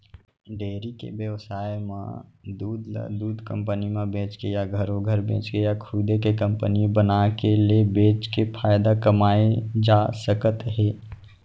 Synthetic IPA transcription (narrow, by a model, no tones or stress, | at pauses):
ɖeːɾikḛbjəʋsaːjmã̰d̪uːd̪̰d̪uːd̪ʱkə̃mpənimẽbẽːt͡ʃkejaɡʱəɾõɡʱəɾbʱḛ̃ːt͡ʃkejakʰud̪ekekə̃mpənibənakelebẽːt͡ʃkepʰaːjd̪akəmaːed͡ʒaːsəkət̪ɦeː